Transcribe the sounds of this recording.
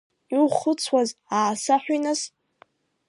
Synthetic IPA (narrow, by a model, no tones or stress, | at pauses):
iχʊt͡sʰwazaːsaħʷᶣinaz̥